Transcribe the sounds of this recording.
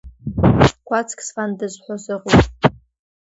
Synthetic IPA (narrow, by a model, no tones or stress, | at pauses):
kʷat͡sʰkʲʼsfandɨzħʷosɨqʷʼupʼ